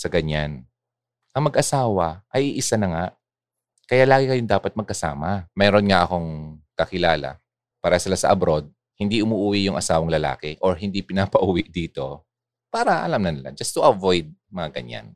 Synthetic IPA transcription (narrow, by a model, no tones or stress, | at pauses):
sɐɡɐɲan | ʔɐŋmɐɡʔɐsaːwɐʔɐjʔiʔɪsanɐŋa | kɐjaʔlaːɡɪkɐjod̪aːpɐt̪̚mɐɡ̚kɐsa̰ːmɐmɛːɾo̞nŋɐʔɐko̞ŋkɐkɪlaːlɐ̰ | paːɾɐsɪlasɐ̰ʔɐbɾo̞d̪̚ | hɪnd̪iʔʊmuʔuːwiʔjʊŋʔɐsaːwɐŋlɐla̰ːkɛʔoɹɦɪnd̪ipɪnaːpɐʔuwiʔd̪iːt̪o̞ | paːɾɐʔɐ̰lamnɐnɐla̰d͡ʒɐst̪ʊʔɐvojd̪̚mɐŋaɡɐ̰ɲa̰n